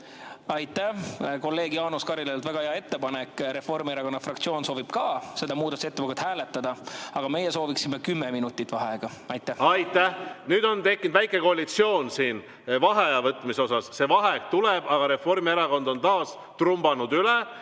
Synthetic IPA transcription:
ɑjt̪ːæko̞lːe̞ːɡjɑːnuskɑɾilelt̪væɡ̥ɑheɑe̞t̪ːe̞pɑne̞kːˑɾe̞fo̞rmieɾɑko̞nːɑfrɑkt̪sioːnso̞ːvib̥kɑːse̞d̪̥ɑmuːd̪ɑse̞t̪ːeɑkut̪hæːle̞t̪ˑːɑd̪̥ɑɑɡ̥ɑme̞jeso̞ːviksimːekymːeminut̪ˑːit̪ːˑv̥ɑɦeɡ̥ɑɑjt̪ːˑæhɑjt̪ːˑæhnyːd̪o̞nt̪e̞kːˑind̪væjkːˑe̞ko̞ɑlit̪sio̞ːnsiːn | vɑɦeɑvɤt̪ːˑmiso̞sɑsse̞vɑɦek̚t̪uleb̥ɑɡ̥ɑɾe̞fo̞rmieɾɑɡo̞nd̪o̞nt̪ɑːs | t̪rumbɑnud̪yle

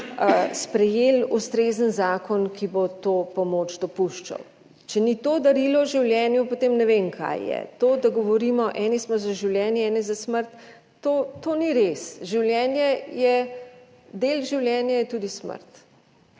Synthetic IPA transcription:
spɾɛjeːlust̪ɾeːzənzaːkɔnkibot̪oːpɔmoːt͡ʃd̪ɔpuʃt͡ʃa̰w | t͡ʃɛnit̪od̪ɐɾilɔʒiwljɛːnjupot̪emnɛʋenkʰa̰jːɛ̰t̪oːd̪aɡɔʋɔɾimɔʔɛnismɔzaʒiwljɛːnjɛɛːnɛzasməɾt̪ː | oːt̪oniɾesʒiwlʲjɛːnjɛjɛ | d̪elʒiwljɛnjajɛt̪ud̪ismə̰ɾt̪

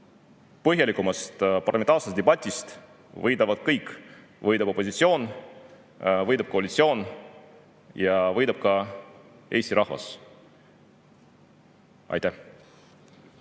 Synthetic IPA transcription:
pɤɦjɑlikumɑst̪pɑrlɑmeɑːrsest̪d̪eb̥ɑt̪ʲːˑist̪ | vɤjd̪ɑvɑd̪̥̚kɤjkːˑ | vɤjd̪ɑbo̞posit̪sio̞ːn | vɤjd̪ɑb̥̚ko̞ɑlʲit̪sio̞ːn | jɑvɤjd̪ɑb̥̚kɑ | ʔe̞ːst̪ʲiɾʔɑhvɑ̰s | ʔɑ̰jt̪æh

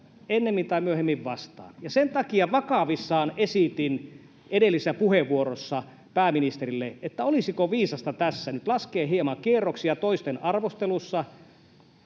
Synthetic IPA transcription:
enːemːint̪ɑimyøhemːiʋʋɑst̪ɑ̰ːnjɑsent̪ɑkiɑʋɑkɑʋisːɑːnesit̪in | edelːisːæpuheʋːuoɾosːɑ | pæːminist̪eɾilːeet̪ːæolisikoʋiːsɑst̪ɑt̪æsːænyt̪lɑskeːhiemɑkierːoksiɑt̪oist̪enɑrʋost̪elusːɑ

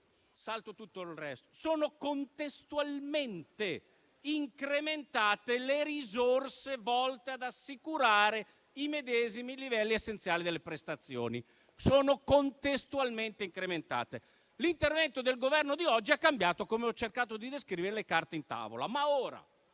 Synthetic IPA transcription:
salt̪ot̪ut̪ːolrɛst̪o̥soːnokont̪est̪ualment̪e | iŋkɾement̪aːt̪eleɾizorsevɔlt̪ead̪asːikuɾaːɾe | imed̪ɛːzimilivɛlːiesːent̪sjaːlid̪elːepɾest̪at̪sːjo̰ːni | soːnokont̪est̪ualment̪eiŋkɾement̪a̰ːt̪e | lint̪ervɛnt̪od̪elɡovɛrnod̪iɔd͡ʒːiakːambjaːt̪okomeɔt͡ʃːerkaːt̪od̪id̪eskɾiːveɾelekart̪eint̪a̰ːvo̰la̰maoːɾa̰

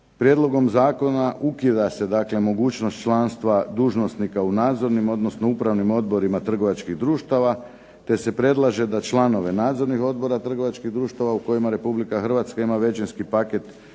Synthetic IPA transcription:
pɾje̞d̪lo̞ɡo̞mzaːko̞naʔukid̪ase̞d̪aːkle̞mo̞ɡuːt͡ʃno̞st̪t͡ʃlˠanst̪ʋad̪uːʒno̞snikaunaːd̪zo̞ɾnimo̞d̪no̞sno̞upɾaʋnimo̞d̪̚bo̞ɾimat̪r̩ɡo̞ʋat͡ʃkiɣd̪ɾuːʃt̪aʋa | t̪e̞se̞pɾe̞d̪lˠaʒe̞d̪at͡ʃlˠano̞ʋe̞naːd̪zo̞ɾnixo̞d̪̚bo̞ɾat̪r̩ɡo̞ʋat͡ʃkiɣd̪ɾuːʃt̪aʋauko̞jimaɾe̞publikaxr̩ʋat̪skaimaʋe̞t͡ʃenskipaket̪

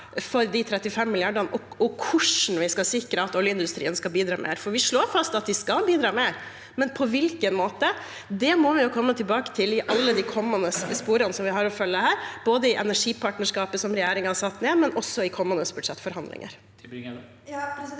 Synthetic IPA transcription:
fɔɾd̪ɪt̪ʰɾɛt̪ːɪfɛmːɪlɪɑɖənɔ | ɔkʰʊʂn̩ʋɪskɑsɪkɾəɑt̪ɔljəɪnd̪ʉst̪ɾḭːənskɑbiːd̪ɾɑːmʔḛːɾfɔɾʋɪʂɭoːɾfɑst̪ɑt̪̚d̪ɪskɑlbiːd̪ɾɑːmeːɾ | mɛnpʰɔʋɪlkənmoːt̪ə | d̪ɛmɔʋɪjʊkʰɔmːət̪ʰɪlbɑːkə̥t̪ʰɪlɪʔɑlːəd̪ɪkʰɔmːənəspuːɾɑnəsɔmʋɪɦɑɾɔfœlːəhæːɾb̥oːd̪əɪʔɛnæʂiːpʰɑːʈnəʂkɑːpəsɔmɾɛjæːɾɪŋhɑsɑt̪ːneːmɛnʔɔsːɔɪkʰɔmːənəsb̥ʉɖʂɛt̪ːfɔɾhɑnd̪lɪ̰ŋə̰ɾ

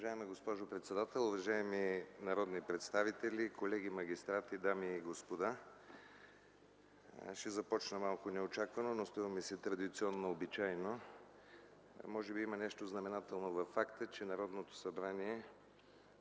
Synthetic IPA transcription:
ʊvɐʒaɛmɛɡospɔʒopɾɛt̪sɛd̪at̪ɛlˠʊvɐʒaɛminɐɾɔd̪nipɾɛt̪st̪avit̪ɛlʲikolɛɡimɐɡ̟ist̪ɾat̪id̪amiːɡospod̪a | ʃɛzɐpɔt͡ʃnəmalˠkonɛot͡ʃakvənonost̪ɾuvəmisɛt̪ɾɐd̪it̪siɔnːoːbit͡ʃajno | mɔʒɛbiimənɛʃt̪oznɐmɛnat̪ɛlˠnovɐfːakt̪ət͡ʃɛnɐɾɔd̪not̪o̥sɐbɾaniɛ

